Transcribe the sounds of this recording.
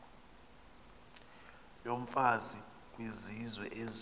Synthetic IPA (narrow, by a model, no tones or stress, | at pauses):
jom̩fazi | k̬ʼwizizwɛ̰ʔez